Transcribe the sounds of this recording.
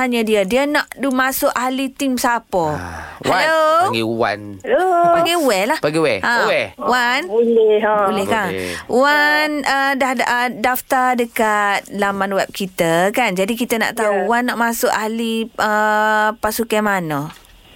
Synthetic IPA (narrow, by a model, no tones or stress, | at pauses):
t̪aɲədiədiənaʔdumasʊʔaɦlit̪imsapɔhaloɡiuwa̰nlopaɡiuwɛlahpaɡiwɛʔãwɛwanlbulɛhkaŋwanədahədaft̪adəkat̪̚lamanwɛp̚kit̪əkand͡ʒadik̬it̪əna̰ʔt̪auwanːaʔmasʊʔaɦliəpasukamanɔ